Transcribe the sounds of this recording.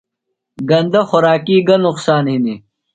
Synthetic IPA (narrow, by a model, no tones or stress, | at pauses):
ɡɐnd̪ɐxʊɾaːkiːɡɐnʊqsaːnɦini